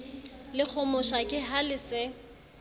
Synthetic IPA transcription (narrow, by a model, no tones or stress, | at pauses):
lɪk͡xʰɔmʊʃakʼɪɦalɪsɪ